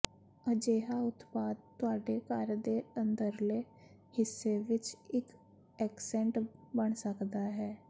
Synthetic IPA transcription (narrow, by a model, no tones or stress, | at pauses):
əd͡ʒeːɦaːʊt̪paːd̪̚t̪ʊaːɖeːkəɾd̪eːənd̪əɾleː | hɪsːeːʋɪt͡ʃɪk | ɛːksɛ̃ːɳʈbəɳsəkd̪aːɦɛː